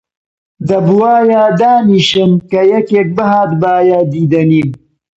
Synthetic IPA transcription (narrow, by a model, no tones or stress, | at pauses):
d̪ɐbwaːjaːd̪aːniʃɨmkɐjɐkek̚bəɦaːt̪baːjad̪iːd̪ɐniːm